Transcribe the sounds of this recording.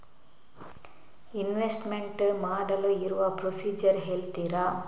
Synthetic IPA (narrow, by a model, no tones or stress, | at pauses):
inʋesʈmeɳʈmaːɽɐluiɾuʋɐpɾosiːd͡ʒɐɾɦeːɭt̪iɾa